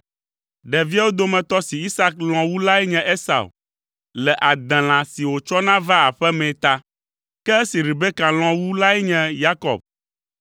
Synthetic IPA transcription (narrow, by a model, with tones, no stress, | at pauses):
ɖɛ˨vi˦a˦wo˦d̪o˦mɛ̃˨t̪ɔ˦si˨i˦sa˦k̚l̃ɔ̃˨wu˦la˦ɛ˦ɲɛ̃˨ʔe˦sa̰˨w̰ | lɛ˨ʔa˨d̪ɛ̃˨l̃ã˨si˨wo˨t͡ʃɔ˦nã˦va˦a˨ɸɛ˦mɛ̃˨t̪a˦ | kɛ˦e˦si˨ɾi˨be˦kã˨l̃ɔ̃˨wu˦la˦ɛ˦ɲɛ̃˨ja˦kɔ̰˨b̚